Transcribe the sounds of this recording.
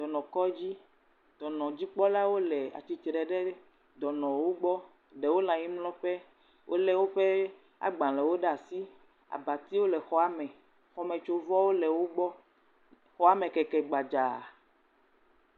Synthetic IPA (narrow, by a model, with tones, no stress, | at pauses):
d̪̥ɔ˨nɔ̃˨kɔ˦d͡ʑi˦ | d̪̥ɔ˨nɔ̃˨d͡ʑi˦k͡pɔ˦la˦wo˦lɛ˨a̰˨t͡ɕi˨t̪ɾɛ˨ɖɛ˦ | d̪ɔ˨nɔ̃˨wo˦ɡ͡bɔ˦ | ɖɛ˨wo˦lã˨ɲi˦mlɔ̃˦ɸɛ˦ | wʔo˦lɛ˦wo˦ɸe˦ | a̰˨ɡ͡bã˨lɛ˨wo˦ɖa˨si˦ | a̰˨ba˨t̪i˦wo˦lɛ˨xɔ˦a˦mɛ̃˨ | xɔ˦mɛ̃˨t͡ʃo˦vɔ˦wo˦lɛ˨wo˦ɡ͡bɔ˦ | xɔ˦a˦mẽ˨kɛ˨kɛ˨ɡ͡ba˨d͡ʒa˨